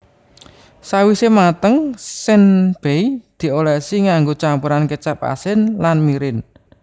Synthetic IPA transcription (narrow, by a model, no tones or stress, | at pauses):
sawisemat̪əŋsɪnb̥eid̪̥i̤olɛʔsiŋaŋɡot͡ʃampuɾankət͡ʃap̚a̰sɪnlanmiɾɪn